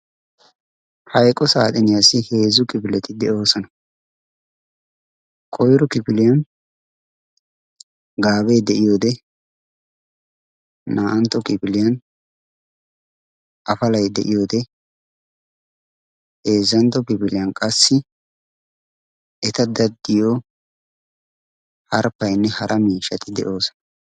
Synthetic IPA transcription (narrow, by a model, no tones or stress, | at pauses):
hɐjkʼɔsa̰ːt̪ʼɪnɪjasɪheːzʊkʼɪpɪlɛt̪ɪd̪ɛo̞ːsɐnɐ | kʼɔjɾɔkɪpɪlɪjɐn | ɡaːbejd̪ɛʔɪjo̞ːd̪ɛ | aːʔɐnt̪ːɔkʼɪpɪlɪjɐn | ʔɐfɐlɐjd̪ɛ̰ʔɪjoːd̪ɛ | eːzːɐnt̪ɔkɪpɪlɪjɐnkʼɐsːɪ | ɛt̪ɐd̪ɐd̪ːɪjoː | hɐɾpɐjnːɛhɐɾʔɐmiːʃɐt̪ɪd̪ɛ̰ʔo̞ːs